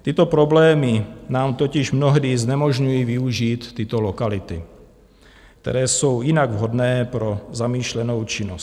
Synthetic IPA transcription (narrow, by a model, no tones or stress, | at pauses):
t̪ɪt̪opɾoblɛːmɪnaːmt̪ocɪʃmnoɦdiznɛmo̞ʒɲujiːvɪuʒiːt̪ːɪt̪olokalɪt̪ɪ̰ | k̚t̪ɛ̰ɾɛːso̞wjɪnaɡvɦo̞dnɛːpɾozamiːʃlɛno̞wt͡ʃɪnos